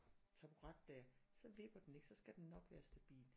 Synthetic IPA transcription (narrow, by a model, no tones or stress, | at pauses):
t͡sʰɑb̥uʁɑ̈d̥ːæɐsɒ̽ʋe̝b̥ɐd̥ene̝ɡ̥sɒ̽sɡ̥æd̥enːɒ̽ɡ̥ʋæːɐsd̥æb̥ḭːl